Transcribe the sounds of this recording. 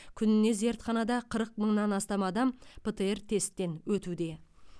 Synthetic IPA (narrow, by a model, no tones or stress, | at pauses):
kʲʰʏnɪne̞ze̞ɾt̪χɑnɑd̪ɑqʰəɾəq̚məɴnɑnɑst̪ɑmɑd̪ɑmpʰət̪əe̞rt̪ʰe̞st̪ːe̞nwɵt̪ud̪e̞